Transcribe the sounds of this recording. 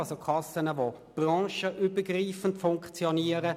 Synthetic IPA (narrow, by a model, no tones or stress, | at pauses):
ɑlsokʰɑsənəvo | b̥ʁɑ̃ːʃəʔyːbəɡriːfən̩tfʊŋkt͡sjoniːəʁə